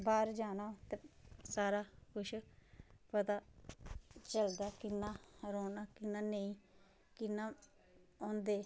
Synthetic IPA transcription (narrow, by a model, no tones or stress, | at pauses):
baːɾd͡ʒaːnaːt̪eːsaːɾaːkʊʃ | pət̪aː | t͡ʃəld̪aːkɪnːãːɾoːnaːkɪnːaːneĩː | kɪnːãː | õːnd̪eː